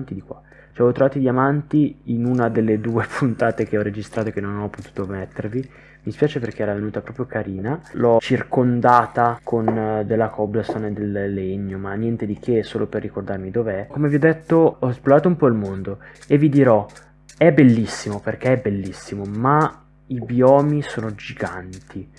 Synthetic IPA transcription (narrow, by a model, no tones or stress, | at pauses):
nt̪id̪ikwa̰ | t͡ʃɛavɔt̪ːɾovaːt̪id̪iamant̪iinunad̪elːed̪uːepʰunt̪aːt̪ek̟eɔred͡ʒist̪ɾat̪oekenːonɔpot̪uːt̪ovmɛt̪ːervi | mispjaːt͡ʃeperk̟eɛɾavenuːt̪apɾɔːpɾjokaɾiːnalɔt͡ʃirkond̪aːt̪akʰond̪elːakʰɔblesoned̪elːeɲːomanːjɛnt̪ed̪ik̟ʰesoːloperːikord̪armid̪oːveɛkomeviɔd̪ːet̪ːoɔsplovaːt̪oumpɔilmond̪oevːid̪iɾɔ | ɛbelːisːimoperk̟eɛbelːisːimoma | ibjɔːmisoːnod͡ʒiɡant̪ʰi